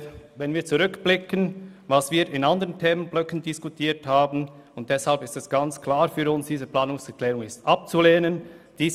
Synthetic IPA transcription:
vɛnviːɐt͡suʁʏkb̥lɪkənvasv̥iːɾɪnandəʁəntʰeːmənblœkən̩dɪskutʰiːthaːbn̩ | ʊnt̚d̥ɛshalpɪstɛsɡ̥ant͡skʰlaːɾfyːɾʊnsd̥iːzəpl̥aːnʊŋsɛʁkʰlɛːʁʊŋɪstʔap̚t͡suleːnənd̥iː

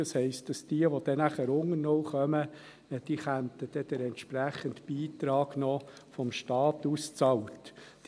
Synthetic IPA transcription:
ɑshɛɪst̚d̥ɑsd̥iəʋɔd̥̪ɛnæχəɾʊŋənɔwχœmə | d̥iːχænt̪əd̥ɛd̥ɛɾɛnt̪ʃpɾæχəntb̥iːt̪ɾɑːɡ̥nɔfɔmʃtɑːt̪ust͡sɑwt

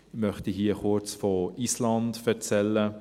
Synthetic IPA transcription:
mœχtiɦiəχʊɾt͡sfɔislɑndfɛɾt͡sɛlːə

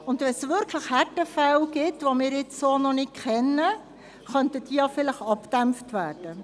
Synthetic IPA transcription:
ʊndʋɛnsʋɪɾkʰləχhætəfæwɡ̥ɪtʋomɪːɾɪt͡ssoːnɔnɪt̚kʰɛnːə | χœntəd̥iːjɑfɪləχɑpd̥æmftʋæːrd̥ə

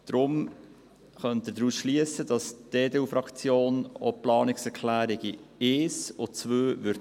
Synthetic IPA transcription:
d̥ɾʊm | χœnt̪ɪdɾuːsʃliəsəd̥ɑsd̥eːdeːufɾɑkt͡sjoːno̰plɑːnɪksɛɾkʰlæːɾɪɡieːsot͡sʋøːvʏɾ

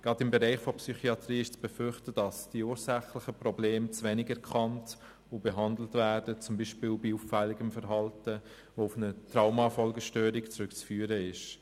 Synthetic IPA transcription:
ɡ̥ʁɑdɪmbɛɾɛɪχfɔpsyχiɑtriːɪʃt͡sb̥efʏɾχtədɑsd̥iuːɾsæχlɪχəprɔbleːmt͡sʋɛnɪɡɛɾkʰχɑnt | ʊb̥ɛɦɑndl̩tvæːɾdət͡sʊmbiːʃpɪːlbiuːffɛlːɪɡəmfəɾɦɑltə | ʋoʊfnətraʊmɑfɔlɡəʃtøːɾɪkt͡sɾʏkt͡sfyːəɾəɪʃ

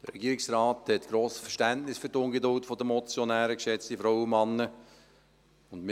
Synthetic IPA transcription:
d̥əɾɛ̰ɡiːɾɪksrɑːthɛtɡ̥ɾoːsə̥fəʃtæntnɪsfyɾtʊnɡedʊltfɔdəmɔt͡sjonæːɾəkʃɛt͡stifɾɔwəmɑnːə | ʊndmɪ

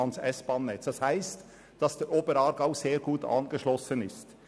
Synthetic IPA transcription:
ɑnsɛsb̥ɑːnːɛt͡sd̥ɑshæɪst | d̥ɑsd̥ɛʔoːbəɾɑːɾɡaʊseːɾɡuːtɑ̰ːnɡəʃlɔsənɪst

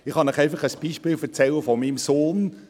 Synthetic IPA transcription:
ɪχhɑnɪχɛɪfɑχəsb̥iʃpɪːlfɛt͡sɛləfɔmimsoːn

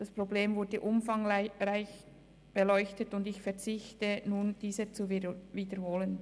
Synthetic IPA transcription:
d̥aspʁ̥obleːmvʊɐdəʔʊmfaŋʁaɪç | b̥elɔʏçtətʊndɪçfɛɐt͡sɪçtənuːnd̥iːzət͡suviːdəɾhoːlən

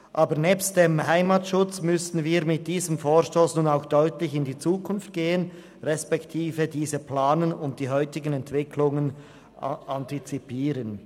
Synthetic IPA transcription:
ʔaːbəʁnɛːpstd̥eːmhaɪmatʃʊt͡smʏsn̩viːɾmɪt̚d̥iːzəmfoːʁʃtoːsnuːnaʊxd̥ɔʏtlɪçɪndit͡suːkʰʊnft̚ɡ̥eːən | ʁɛspɛktʰiːvədiːzəplaːnənʊnt̚d̥iːɦɔʏtɪɡənɛntv̥ɪkʰlʊŋən | ʔɑntit͡sipiːɾən

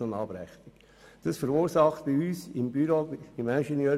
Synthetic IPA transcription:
onɑːbɾɛχtik | d̥ɑsfəɾuːɾsɑχtəyːsɪmbyɾoɪmænʃɛnjœː

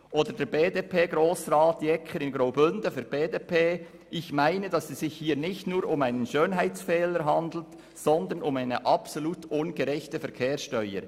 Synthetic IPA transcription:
ʔoːdəɾdɛːɾbeːdepʰeːɡɾoːsɾaːtjɛkʰəɾɪnɡɾoʊbʏndəfyɾb̥eːdeːpʰeː | ʔɪçmaɪnədɑsɛsz̥ɪçhiːɾnɪçtnuːɾʊmaɪnənʃøːnɦaɪt͡sfɛːləɾɦɑnd̪l̩t | sɔnd̪ənʊmaɪnəʔɑpsoluːtʔʊnɡəɾɛçtəfɛɾkʰeːɾsʃtœʏəɾ

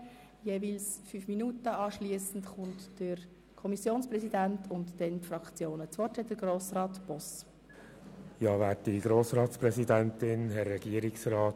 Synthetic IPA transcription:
jeːvilsfyːfminutəɑːʃliəsn̩tχʊntd̥əɾ | kʰɔmisjoːnsprɛsidæntʰʊntd̥ɛntfrɑkt͡sjoːnət͡sʋɔrtɛd̥əɡroːsrɑːtb̥ɔs | jɑːvæːtdiɡɾoːsɾɑːtspɾɛsidæntɪnɦɛɾːɛɡ̥iəɾɪksɾɑːt

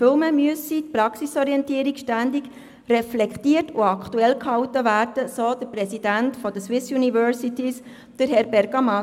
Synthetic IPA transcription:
fɪlməmyyəsitpɾɑksisɔɾiɛntiəɾikʃtændiɡ | rɛflɛktiərtʰʊɑkʰt̪uɛlkhɑwtəvæːrd̥əsoːd̥̪əɾprɛsid̥æntfɔd̥əswɪsjunivœːɾsitis | d̥əɾhɛɾbɛɾɡ̥ɑmɑ

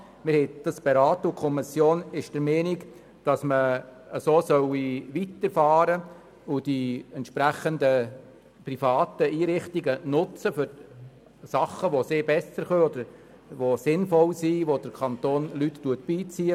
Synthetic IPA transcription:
mɪɾhɛɪd̥ɑsb̥ɛɾɑːt̪ʊkʰɔmɪsjoːnɪʃd̥əɾmɛːnik | d̥ɑsmə | əsoːsœwiʋit̪əɾfɑːɾə | ʊd̥iɛntʃpɾæχənd̪ə | prifɑːt̪əiːɾɪχtiɡənʊt͡səfʏɾ | sɑχːəʋoseːɾbɛsəɾχøːɔd̪əɾ | ʋosɪnfɔlsiʋod̥əɾkʰɑnt̪oːnlyttuət̚b̥iːt͡siːə

